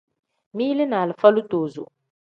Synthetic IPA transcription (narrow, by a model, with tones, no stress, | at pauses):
mi˦lɪ˦naː˨lɪ˨fa˦lu˦toː˨zṵ˨